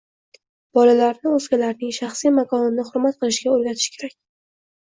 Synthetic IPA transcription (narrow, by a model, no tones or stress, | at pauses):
b̥ɒlalaɾnɪɵzɡʲalaɾnɪŋʃaχsijmakʰɒnɪnɪχʊɾmat̪̚qɨlˠɪʃɡʲaoɾɡʲat̪ʰɪ̥ʃkʲʰe̞ɾak̚ʲ